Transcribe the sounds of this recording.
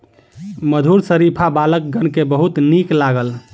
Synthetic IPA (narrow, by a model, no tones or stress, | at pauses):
məd̪ʱuɾsəɾipʰabalək̚ɡənkebəɦut̪niklaɡəl